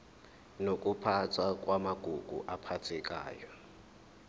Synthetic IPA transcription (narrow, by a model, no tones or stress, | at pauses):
nokʼupʰat͡sʰakʼwamaɡ̥ʱuɡ̥ʱṵʔapʰat͡sʰɛkʼa̰ːjɔ